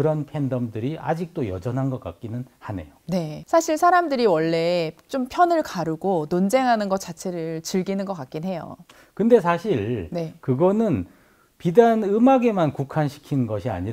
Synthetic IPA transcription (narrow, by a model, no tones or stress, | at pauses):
ɯɾʌnpʰe̞ndʌmdɯɾiʔa̰d͡ʑik̚t͈ojʌ̰d͡ʑʌnɦanɡʌk͈a̰k̚k͈inɯnhane̞̰jone̞sʰaɕʰiɭsʰaɾamdɯɾiwʌɭːe̞t͡ɕ͈ompʰjʌnɯɭkaɾuɡonond͡ʑe̞ŋɦanɯnɡʌt̚t͡ɕ͈at͡ɕʰe̞ɾɯɭt͡ɕɯɭɡinɯnɡʌk͈ak͈̚inɦe̞jo̰ | kɯnde̞s̬ʰaɕʰiɭne̞kɯɡʌnɯn | pidanɯmaɡe̞mankukʰanɕʰi̥kʰinɯnɡʌɕʰia̰ɲiɾ